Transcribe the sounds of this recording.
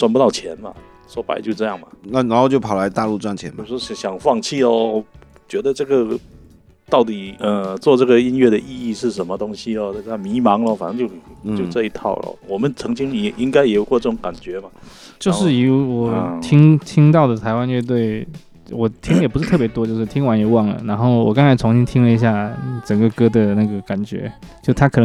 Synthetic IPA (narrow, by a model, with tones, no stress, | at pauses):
t͡swa˥˧npu˧t̪ɑ˥˩ʊt͡ɕʰjɛ˧˥nmɐ̰˨ | ʂwɔ˥pa̰˧ɪt͡ɕjo˥˧ʊʈ͡ʂɤ˥˧jɑ˥˩ŋmɐ˩na˥˩na˧˥xo˥˧ʊt͡ɕjo˥˩ʊpʰɑ˨˩la˧˥ɪt̪a˥˧lu˥˧t͡swa˥˩nt͡ɕʰjɛ̰˧˦nm˥˧˩ʂwɔ˥ɕɕjɑ˨˩ŋfɑ˥˧ŋt͡ɕʰi˥˩ɔ˧ | t͡ɕɥɛ˧˥d̪ə˧ʈ͡ʂɤ˥˩ɡə˩ | t̪ɑ˥˩ʊt̪i˨˩ə˥˩t͡swɔ˥˧ʈ͡ʂɤ˥˩ɡə˩i˥nɥɛ˥˩d̪ə˨ʔi˥˧i˥˧ʂɻ̩˥˩ʂə˧˥nmə˧t̪ʊ˥ŋɕi˧ɔ˧nə˥˩˧a˥mi˧˥mɑ˧˥ŋlə˧fa˨˩nɤ˥˧ŋt͡ɕjo˥˧ʊt͡ɕjo˥˧ʊʈ͡ʂɤ˥˧i˧˥t̪ʰɑ̰˥˩ʊlə̰˨˩wɔ˨˩mə˨˦nt͡sʰɤ˧˥ŋt͡ɕi˥ŋjɛ˨˩ʔi˦˥ŋka˥ɪjɛ˨˩jkwɔ˥˧ʈ͡ʂɤ˥˩ʊ˧˥ŋka˨˩nt͡ɕɥɛ˧˥ma˨ | t͡ɕjo˥˧ʊʂʂɻ̩˥˩i˨˩u˧˥wɔ˨˩t̪ʰi˥ŋt̪ʰi˥ŋt̪ɑ˥˩ʊd̪ə˩t̪ʰa˧˥ɪwa˦nɛ˥˧t̪we˥˩ɪ | wɔ˨˩t̪ʰi˥ŋjɛ˨˩pu˧ʂɻ̩˥˩t̪ʰɤ˥˩p̬jɛ˧˥t̪wɔ˥t͡ɕjo˥˧ʊʂɻ̩˥˩t̪ʰi˥ŋwa˧˥njɛ˨˧˩wɑ˥˩ŋlə̰˩na˧˥nxo˥˩ʊwɔ̰˨˩kɑ˥ŋt͡sʰa˧˥ɪt͡sʰʊ˧˥ŋɕi˥ŋt̪ʰi˥ŋlə˨i˧˥ɕ̬ja˥˩ʈ͡ʂə˨˩ŋɡə˦kɤ˥d̪ə˨na˥˩ɡə˩ka˨˩nt͡ɕɥɛ̰˧˥t͡ɕjo˥˧ʊ˥˩t̪ʰkʰɤ˨˩nə˦ŋ